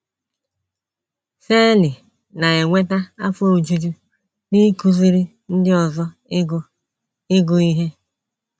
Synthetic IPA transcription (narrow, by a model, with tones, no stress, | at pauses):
fe˦lɪ˨ | na˨e˨ŋʷe˦ta˦a˦fo˦o˨d͡ʒu˦d͡ʒu˦ | ni˦ku˦zi˦ɾi˦ | n̩˦dɪ˦ɔ˨zɔ˦ | ɪ˦ɡʊ˨i˦ɦe˦